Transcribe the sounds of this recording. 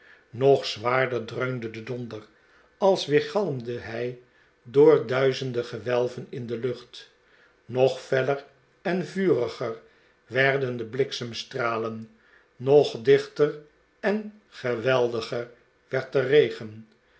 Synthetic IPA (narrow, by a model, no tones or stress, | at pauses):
nɔχsʋaːɹdəɹdrøɥmdədədɔndər | ɑlˠsʋɪːɹχɑlˠəmdəɦɛj | dʊːɹdœɥzəndəχəʋɛlˠvənɪndəlɵχt | nɔχfɛlər | ɛnvyːrəχər | ʋɛɹdəndəblɪksəmstraːlənː | ɔχdɪχtər | ɛn | χəʋɛlˠdəχər | ʋɛɹtərejχən